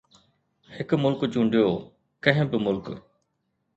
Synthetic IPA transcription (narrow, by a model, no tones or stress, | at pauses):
hɪkmʊlkt͡ɕũːɳɖjoː | kɐ̃ɦɪ̃bɪmʊlk